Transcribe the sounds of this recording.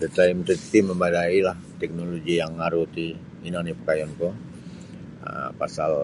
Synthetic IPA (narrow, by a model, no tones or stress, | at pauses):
dət̪aimt̪ət̪iməmbadailaht̪ɛk̚noloɡijaŋːaɾut̪i | inaŋnipəkajɔnkɔ | ə̰pasal